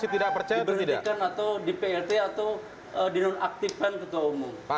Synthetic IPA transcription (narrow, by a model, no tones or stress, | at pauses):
sit̪idapərt͡ʃajiapənidikanat̪awdipeɛrt̪eat̪aw | ədinɔnak̚t̪ifant̪ət̪uaumuŋ